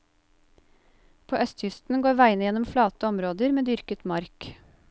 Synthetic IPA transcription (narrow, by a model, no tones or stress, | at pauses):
pʰoːʔœst̪çʏst̪n̩ɡoːɾʋæɪnəjɛnɔmflɑːt̪əɔmɾoːd̪əɾmeːd̪ʏɾkət̪mɑɾk